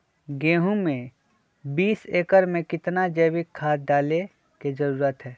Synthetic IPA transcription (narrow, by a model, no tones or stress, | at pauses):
ɡeːɦũmẽ | biːseːkəɾmẽkɪt̪nad͡ʒəːwɪkʰːaːt̪̚ɖaːle | kezɐɾuːɾət̪ɦɛː